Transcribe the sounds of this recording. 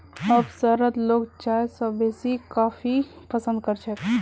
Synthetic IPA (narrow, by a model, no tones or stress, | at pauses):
əbsəɾət̪loːɡt͡ʃaːjsəbeːsikaːfipəsə̃nd̪̚kəɾt͡ʃʰək